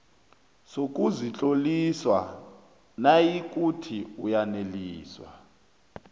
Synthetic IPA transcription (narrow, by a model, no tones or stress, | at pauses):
sok̬ʼuzit͡ɬʼoliswa̰ | najik̬ʼutʰiujaneliːswa̰